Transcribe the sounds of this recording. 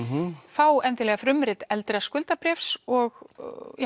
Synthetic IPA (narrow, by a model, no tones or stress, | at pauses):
faːwɛnt̪ɪlɛɣafɾʏmɾɪt̪ɛlt̪ɾɪaskʏlt̪apɾɛːfsɔɣ